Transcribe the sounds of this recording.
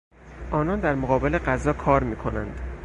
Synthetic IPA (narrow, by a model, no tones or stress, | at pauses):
ʔɒːnɒːnd̪æɾmoɣɒːbe̞le̞ɢæzɒːkʰɒːɾmiːkʰo̞nænd̪̥